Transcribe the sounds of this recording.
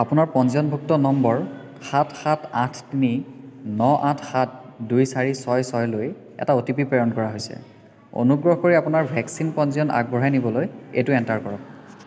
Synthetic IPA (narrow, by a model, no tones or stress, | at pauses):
apʊnaɹpɔnziɔnbʱuk̚tɔnɔmbɔɹ | xatʰxatʰatʰtininɔʔatʰxat̚ʰdujsaɹisɔjsɔjloj | ɛ̰taotipipɹejɔnkɔɹaɦojsɛ̰ | o̰nuɡɹɔɦkoɹiapʊnaɹbʱɛksinpɔ̃nziɔna̰k̚bɔɹajnibɔlojḛtuɛntaɹkɔɹɔk̚